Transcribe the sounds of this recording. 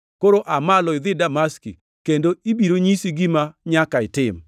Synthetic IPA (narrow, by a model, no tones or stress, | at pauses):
koɾoʔamalɔɪd̪ɪdamaskḭ | kendoibiɾoɲisiɡimaɲakaɪtɪm